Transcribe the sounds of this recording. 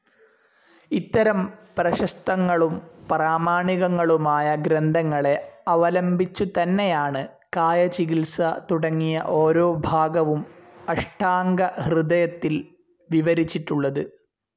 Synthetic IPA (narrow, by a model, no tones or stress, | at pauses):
it̪ːɐɾɐmprɐɕɐst̪ɐŋːɐɭumpɐraːmaːɳiɣɐŋːɐɭumaːjɐɡɾend̪ʱɐŋːɐɭe̞ɐʋɐlɐmbʱit͡ɕːut̪ɐnːe̞jaːɳɨ | kaːjɐt͡ɕiɣilsɐt̪uɽɐŋːijɐʔo̞ːɾo̞ːbʱaːɡɐʋumɐʂʈʰaːŋɡɐhrɨd̪ɐjɐt̪ːil | ʋiʋɐɾit͡ɕːiʈːuɭːɐðɨ